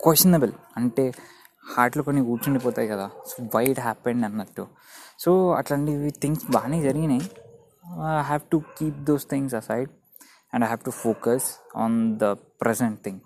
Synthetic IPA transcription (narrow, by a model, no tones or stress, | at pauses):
kwesʈɐnebɐl | ɐɳʈe̞ː | haːɾʈlokonːiuːt͡ʃuɳɖip̬ɔːt̪aːjikɐd̪aːsoʋajʈɦæːpẽɳɖɐnːɐʈːu | soːɐ̰ʈlaɳʈit̪ʰiŋɡsbaːneːd͡ʒɐɾiɡina | aɦaːʋʈukiːp̚d̪oːst̪ʰĩŋɡsɐsajɖ | ɛ̃ɳɖajɦaːʋʈufoːkɐsɔ̰ːnd̪ɐpɾɛseɳʈ̚t̪ʰĩŋ